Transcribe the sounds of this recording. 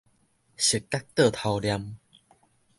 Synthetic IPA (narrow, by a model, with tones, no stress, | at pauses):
ɕə˨˩kːa˦˥k̚t̪ə˥˧˩t̪ʰa˧wlja˧m